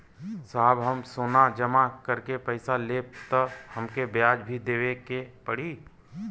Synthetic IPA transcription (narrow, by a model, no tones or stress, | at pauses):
saːbɦəmsoːnad͡ʒɐmakɐɾkepəɪsaleːt̪əhɐmkebjaːd͡ʒbʱid̪eːʋekepəɽiː